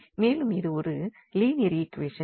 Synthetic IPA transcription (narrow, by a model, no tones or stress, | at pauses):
meːlɯmɪðɯɔɾɯ | liːnɪɾiːkːʋeːʂɐ